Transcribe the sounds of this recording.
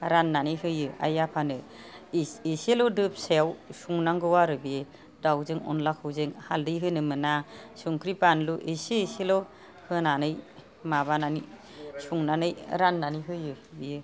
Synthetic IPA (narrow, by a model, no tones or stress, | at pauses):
ɾanːanɯjhɯjɯa̰japʰanɯ | eselɔdɯp̚sejawsuŋnaŋɡɯwaɾɯbie | dawzeŋɔ̰nlakhɯwzeŋhaldɯjɦɯnɯmɯnasuŋkʰɾipanluʔeseeselɔ | hɯnanɯj | mabanani | suŋnanɯjɾanːanijɦɯjɯbijɯ